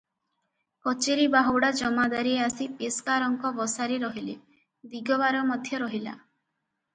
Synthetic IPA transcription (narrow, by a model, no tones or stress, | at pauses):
kɔt͡ʃeɾibaɦɔwɽad͡ʒɔmad̪aɾieasipeskaɾɔŋkɔbɔsaɾiɾɔɦile | d̪iɡɔβaɾɔmɔd̪ʱjɔɾɔɦila̰